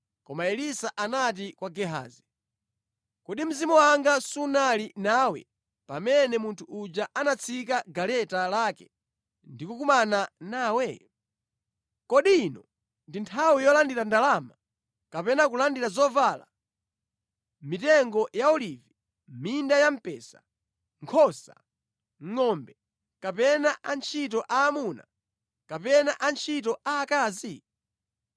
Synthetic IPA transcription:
kɔmaɛlisaʔanat̬ikwaɡɛɦa̰ːzi | kɔɗim̩zimɔwaŋɡasunalinawɛ̰ | pamɛnɛmuntʰuud͡ʒaʔanat͡sʰikaɡalɛtalaːkɛ | ndikukumananaːwɛ | kɔɗiːnɔ | ndintʰawijɔlandiɾandalama | kapɛnak̬ulandiɾazɔvala̰ | mitɛŋɡɔjaɔlivi | mindajam̩pɛsa̰ | ŋkʰɔsa̰ | ŋɔmbɛ | kapɛnaʔant͡ʃʰitɔʔaːmuna̰ | kapɛnaʔant͡ʃʰit̬ɔaːkaːzi

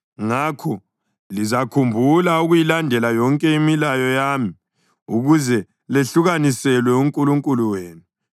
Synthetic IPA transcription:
ŋakʰɔ | lizakʰumbʱulauɣujilandʱɛlajɔŋkʼɛimilajɔjaːmi | uɣuzɛ | leɬuɣanisɛlwɛuŋkʼuluŋkʼuluweːnu

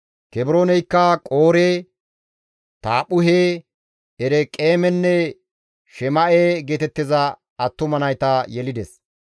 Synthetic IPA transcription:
kɛbɪɾoːnɛjkːɐkʼoːɾeː | t̪aːpʊɦeː | ɛɾɛkʼe̞ːmɛnːɛ | ʃɛmɐʔeːɡeːt̪ɛt̪ːɪzɐ | ɐt̪ːʊmɐnɐjt̪ɐjɛlɪd̪ɛs

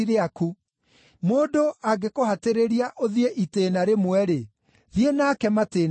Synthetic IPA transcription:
iɾeaku | moːdoaɡekoɦateɾeɾiaʔoðieʔiteːnaɾemwɛɾe | ðienakɛmateːn

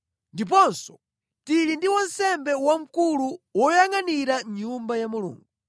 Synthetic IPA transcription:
ndip̬ɔnsɔ̥ | tilindiwɔnsɛmbɛwam̩kuluwɔjaŋaniɾaɲumbajamulṵːŋɡu

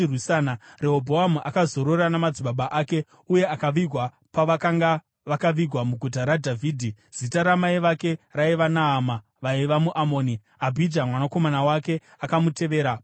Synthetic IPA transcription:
rwisanare̞ɦobʱo̞amuʔakazo̞ɾo̞ɾanamad͡ziɓaɓaʔaːke̞ | uje̞akaʋiɡʱwa | paʋakaŋɡa | ʋakaʋiɡʱwamuɡʱut̬aɾadʱaviːdʱi | z̥itaɾamaiʋake̞raiʋanaːma | ʋaiʋamuʔamo̞ːni | abʱid͡ʒamwanako̞manawake̞ | akamute̞ʋe̞ːɾa

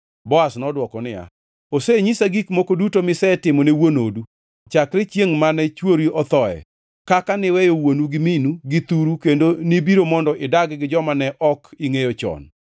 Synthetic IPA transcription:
bɔasnɔdwɔkɔnɪja̰ | oseɲisaɡikmokodutomɪsɛtɪmɔnewonodu | t͡ʃakɾet͡ʃjeŋmanɛt͡ʃwoɾiɔt̪ɔɛ̰ | kakanɪwɛjowonuɡɪminuɡɪt̪uɾukendonibiɾomɔndɔʔɪdaɡɡɪd͡ʒɔmanɛʔɔkiŋejot͡ʃɔ̰n

